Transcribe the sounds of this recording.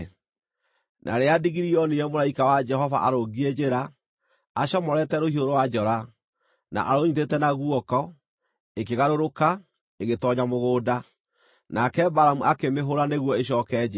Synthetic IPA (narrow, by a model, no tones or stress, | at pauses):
nʔa̰ɾeadiɣiɾiɔniɛmoɾaikawad͡ʒɛɦɔva̰ʔaɾoɡied͡ʑeɾaː | ɕɔmɔɾɛtɛɾohioɾowad͡ʒɔɾa | na̰ʔaɾoɲitetɛnaɣuɔkɔ | ekeɣaɾoɾoka | eɣetɔɲamoɣoːda | nakɛbaɾamuʔakemeɦoɾaneɣwɔeɕ̬ɔkɛd͡ʑe